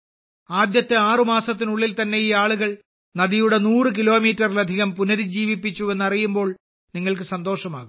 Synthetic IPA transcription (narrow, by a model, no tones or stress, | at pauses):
aːd̪jɐt̪ːeaːrɨmaːsɐt̪̬ːinuɭːilt̪ɐnːe̞iːaːɭuɣɐɭ | nɐðijuɽe̞nuːrɨk̬ilo̞ːmiːtːɐrilɐd̪ʱiɣɐmpunɐɾid͡ʑiːʋipːit͡ɕːue̞nːɐrijumbo̞ːɭ | niŋːɐɭk̬ɨsɐnd̪o̞ːʂɐma̰ːɣum